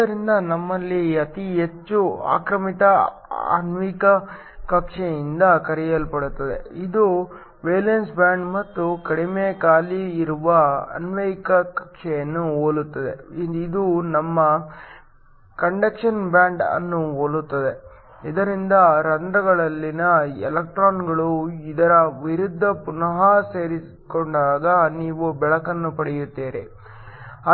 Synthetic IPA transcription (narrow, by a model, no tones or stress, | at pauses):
d̪ɐɾind̪ɐnɐmːɐlːiɐt̪iɦet͡ʃːua̰ːkɾɐmit̪ɐ | ɐ̰nʋiːkɐ | kɐkʂɛjind̪ɐkɐɾijɐlpɐɽut̪ːɐd̪e̞̰id̪u | ʋeːlensbjaːɳɖmɐt̪ːukɐɽimeːkaːliːɾuʋɐɐ̰nʋekɐkɐkʂɛjɐnːuoːlut̪ːɐd̪e̞̰id̪unɐmːɐ | kɐɳɖekʂɐnbjaːɳɖɐ̰nːuoːlut̪ːɐd̪e̞ | id̪ɐɾind̪ɐɾɐnd̪ɾɐɡɐɭɐlːinɐɛ̰lɐk̚ʈɾaːnɡɐɭuid̪ɐɾɐʋiɾud̪ʱːɐpunɐɦɐse̞ːɾi | koɳɖaːɡɐniːʋubɛɭɐkɐnːupɐɽɛjut̪ːeːɾe | ɐ